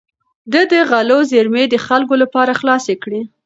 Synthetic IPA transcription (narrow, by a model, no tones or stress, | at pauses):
d̪əd̪əɣalozeɾmed̪əxalɡolapɑɾaxlɑsekɽi